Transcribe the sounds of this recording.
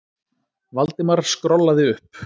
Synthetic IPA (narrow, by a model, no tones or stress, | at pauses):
valt̪ɪmaɾskɾɔlːaðɪʏhp